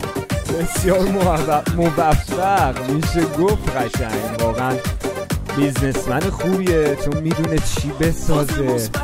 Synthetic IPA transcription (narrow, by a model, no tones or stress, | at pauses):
be̞sjɒːɾmoæmovæfːæɢmiːʃ̬eɡoft̪ɢæʃæŋɡvɒːɣeæn | biznesmænexuːbiet͡ʃʰonmiːd̪uːnet͡ʃʰiːbe̞sɒːze̞